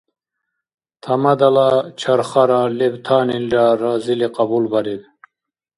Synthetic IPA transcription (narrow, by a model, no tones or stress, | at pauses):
t̪ʰɐmɐd̪alat͡ɕʰaɾχaɾalebt̪ʰaːninɾaɾaːzileqɑbulbaɾid̪